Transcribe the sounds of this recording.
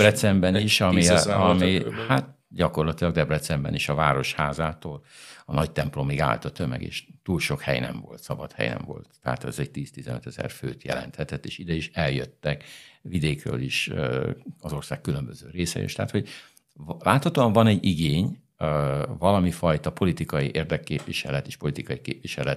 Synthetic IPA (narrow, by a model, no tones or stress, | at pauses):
rɛt̪sɛmbɛniʃɒmiɒmihat̪ | ɟɒko̞rlɒt̪ilɒɡd̪ɛbrɛt̪sɛmbɛ̰niʃɒvaːɾo̞ʃhaːzaːt̪oːlɒnɒct̪ɛmplo̞miɡa̰ːlt̪ɒt̪ømɛ̰ɡḛːʃt̪uːlʃo̞khɛ̰jnɛ̰ɱvo̞lt̪sɒbɒt̪hɛ̰jnɛ̰ɱvo̞̰lt̪ːɛa̰t̪ɛzɛɟ̚t̪iːst̪izɛnøt̪ɛzɛ̰rfø̰ːt̪jɛ̰lɛ̰nt̪hɛt̪ɛt̪ːeːʃid̪ɛiʃɛljøt̪ːɛkʋid̪eːkrø̰ːliʃ | ɒzo̞rsaːkːylømbøzø̰ːɾeːsɛ̰jḛːʃt̪ɛɦːt̪ho̞ɟ | laːt̪hɒt̪oːɒɱvɒnɛɟːiɡeːɲ | vɒlɒmifɒjt̪ɒpo̞lit̪ikɒjiʔeːrd̪ɛkːeːpʋiʃɛlɛt̪eːʃpo̞lit̪ikɒjikeːpʋiʃɛlɛt̪